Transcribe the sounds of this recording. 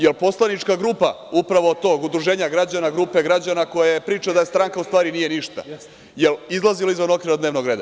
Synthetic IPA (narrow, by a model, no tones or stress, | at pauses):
jelpo̞slˠanit͡ʃkaɡɾuːpa | upɾaʋo̞ːt̪o̞ːɡud̪ɾuʒeːɲaɡɾad͡ʑanaɡɾuːpe̞ɡɾad͡ʑanako̞jajepɾiːt͡ʃad̪ajest̪ɾaːŋkaust̪ʋaːɾinije̞niʃt̪a̰ | jelizlˠaziloizʋano̞kʋiɾod̪neʋno̞ɡɾe̞ːd̪a